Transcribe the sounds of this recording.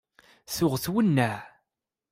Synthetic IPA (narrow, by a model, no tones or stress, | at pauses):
θʊʁθwənːæʕ